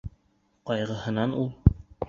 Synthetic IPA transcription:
qɒjʁɤ̆hɤ̆nɑnulˠ

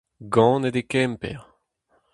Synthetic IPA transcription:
ɡɑ̃ːned̪ekɛmpɛ̰ʁ

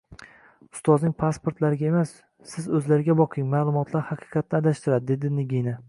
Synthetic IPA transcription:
ʊ̥st̪ɒznɪŋpʰaspoɾt̪laɾɪɡʲaemasː | ɪzɵzlaɾɪɡʲabɒqʰɪŋmaːlˠʊmɒt̪ʰlaɾhaqʰɨ̥qʰɑt̪̚ʰnad̪aʃt̪ɪɾad̪ɪd̪e̞d̪ɪnɪɡʲina

